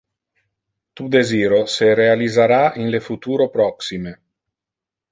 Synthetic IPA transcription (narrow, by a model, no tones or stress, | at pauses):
t̪ud̪eziːɾoseɾealizaɾainlefut̪uːɾopɾɔksime